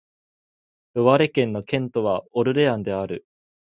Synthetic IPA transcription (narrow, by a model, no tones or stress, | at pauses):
ɯβaɾe̞kẽ̞nːo̞kẽ̞nt̪o̞β̞aoɾɯ̟ɾe̞ãnd̪e̞aɾɯ̟